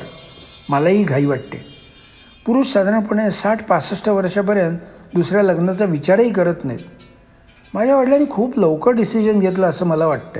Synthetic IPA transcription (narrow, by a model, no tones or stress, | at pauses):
məlaɦiːɡʱaiːʋaʈt̪ḛ | puɾuːʂsad̪ʱɾãp̬uɽesaʈʰpasəʂʈəʋəɾʂap̬əɾjənt̪ | d̪usɾjaləɡnat͡saʋit͡ɕaɾiːkəɾət̪najt̪ | mad͡ʑʱjaʋaʈljaɾiːkʰuːpləwkəɾɖisid͡ʑənɡʱet̪̬ləəsəːməlaʋaʈt̪ə̰